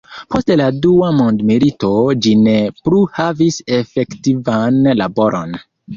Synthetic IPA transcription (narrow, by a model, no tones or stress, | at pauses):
posteladuamondmiɾito̞d͡ʒinepluhavisefektivanlabo̞ɾʔo̰n